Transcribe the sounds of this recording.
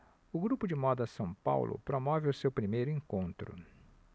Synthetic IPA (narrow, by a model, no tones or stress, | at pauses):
ʊɡɾupʊd͡ʒɪmɔd̪ɐsɐ̃w̃pa̰wlʔʊ̰pɾomɔvɪʊsewpɾimejɾʊẽŋkõnt̪ɾʊ̰